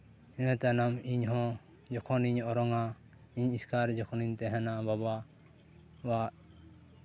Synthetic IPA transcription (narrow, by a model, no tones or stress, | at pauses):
ɛnat̪anamiɲɦɔ̃ | d͡ʒɔkʰɔniɲɔɾɔŋa | iɲiskʰaɾd͡ʒɔkʰɔniɲt̪ɛɦɛnababa | waʔ